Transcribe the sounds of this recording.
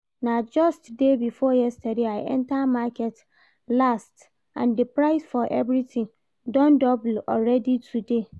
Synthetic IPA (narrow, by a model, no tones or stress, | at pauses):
nãd͡ʒɔstdebifɔjɛstʰadeaɪʔɛ̰̃ntʰamakʰɛt | last | ʔã̰ndepʰɾaɪsfɔʔɛvɾitʰɪ̃ŋ | dɔ̃ndɔbl̩ɔɹɛditʰude